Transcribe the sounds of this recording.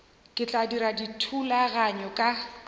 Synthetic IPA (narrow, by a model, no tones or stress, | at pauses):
kʼɪt͡ɬʼadiɾaditʰulaɣaɲɔkʼa